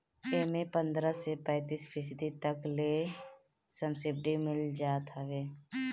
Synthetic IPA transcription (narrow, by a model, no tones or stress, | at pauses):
peːmepə̃nd̪ɾəsepɛ̃ːt̪iːspʰɪs̬d̪it̪əkleː | səmsɪb̚ɖimɪld͡ʒaːt̪ɦəʋeː